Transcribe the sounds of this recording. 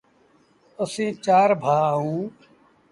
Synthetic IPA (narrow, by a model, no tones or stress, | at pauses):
əsĩːt͡ʃaːɾbʱaːɦũː